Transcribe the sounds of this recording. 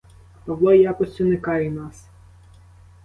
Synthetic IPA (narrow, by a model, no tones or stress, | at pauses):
pɐʋlˠɑjɑkɔsʲtʲʊnekɑjɛnɑs